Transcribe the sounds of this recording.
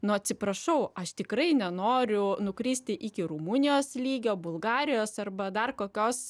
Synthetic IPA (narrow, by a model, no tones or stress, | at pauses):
nʊɐt̪ʲsʲɪpɾɐʃɐʊɐʃt̪ʲɪkrɐɪnʲɛnoːɾʲʊnʊkɾʲiːsʲt̪ʲɪʔiːkʲɪɾuːmunʲɪjoːslʲiːɡʲoːbʊlˠɡɑːɾʲɪjoːsɐrbɐd̪ɐrkoːkʲoːs